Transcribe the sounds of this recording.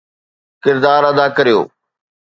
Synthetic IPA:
kɪɾd̪aːɾɐd̪akɐɾijo̰ː

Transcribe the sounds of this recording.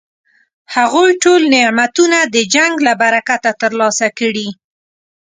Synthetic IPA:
haɣojʈolnemat̪unad̪əd͡ʒaŋɡlabaɾakat̪at̪əɾlɑsakəɽi

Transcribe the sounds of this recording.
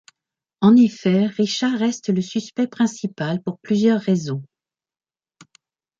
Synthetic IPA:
ɑ̃nefɛʁiʃaʁɛst̪ləsyspɛpχɛ̃sipalpuʁplyzjœʁːezɔ̃

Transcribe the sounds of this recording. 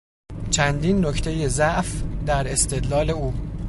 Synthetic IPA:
t͡ʃʰænd̪iːnːo̞cʰt̪ʰe̞je̞zæʔfd̪æɾe̞st̪e̞d̪lɒːle̞uː

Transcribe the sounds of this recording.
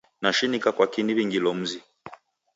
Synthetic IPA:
naʃinikakwakiniβiŋɡilɔm̩zi

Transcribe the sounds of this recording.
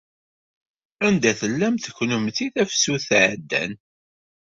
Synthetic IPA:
ænd̪æθəlːæmθə̥kʷːnəmθiθæfsuθʕd̪ːæ̰n

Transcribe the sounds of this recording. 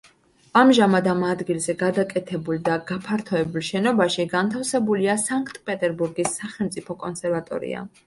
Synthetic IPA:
amʒamad̪amad̪ɡilˠzɛɡad̪akʼɛt̪ʰɛbuld̪aɡapʰaɾt̪ʰɔɛbulˠʃɛnɔbaʃiɡant̪ʰafsɛbuliasaŋkʰʼt̪ʼpʼɛt̪ʼɛɾbuɾɡisːaχɛlˠmt̪sʼipʰɔkʼɔnsʰɛɾvat̪ʼɔ̰ɾḭa̰

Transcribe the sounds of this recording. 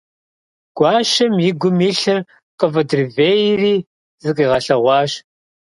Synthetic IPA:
ɡ̥ʷɑːʃɐmjɪɡʷʊmiɬɐ | qɐvɐdrveːjriː | zɨqʼiːʁɐɬɐʁʷɑːɕ

